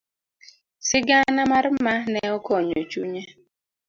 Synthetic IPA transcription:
sɪɡanamaɾmanɛɔkɔɲot͡ʃuɲa

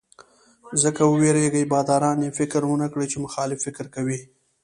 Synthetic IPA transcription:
zəkawəweɾeɡəjbɑd̪ɑɾɑnjefɪkɾwənakɽet͡ʃemʊxɑlɪfːɪkɾkawi

